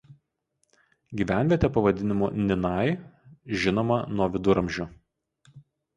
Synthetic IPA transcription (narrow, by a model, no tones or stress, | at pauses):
ɡʲiːʋʲæˑnʲʋʲiɛt̪ʲɛpɐʋɐd̪ʲɪnʲɪmunʲɪnɐˑɪʒʲɪnoːmɐnuɔʋʲɪd̪ʊɾɐmʲʒʲʊ